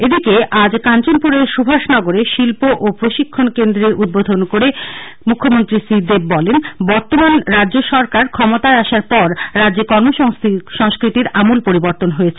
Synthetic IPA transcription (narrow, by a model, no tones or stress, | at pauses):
ed̪ikeʔad͡ʑkant͡ɕonpuɾeɾʃubʱaʃnɔɡoɾeʃilpoʔopɾoʃikʰːonkend̪ɾeɾud̪̚bod̪ʱonkoɾemukʰːomont̪ɾisid̪eb̚bɔlenbɔɾt̪omanɾadːʑoʃɔɾkaɾkʰɔmot̪aeaʃaɾpɔɾɾadːd͡ʑekɔɾmoʃʃɔŋskɾit̪iɾamulpoɾiboɾt̪onɦojet͡ɕʰe